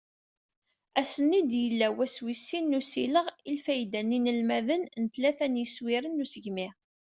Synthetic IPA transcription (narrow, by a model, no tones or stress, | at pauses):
æsənːid̪jəlːæwæswisːinːusiləʁilfæjd̪ænːinəlmæðənnət̪læθænjəswiɾənːusəʝmi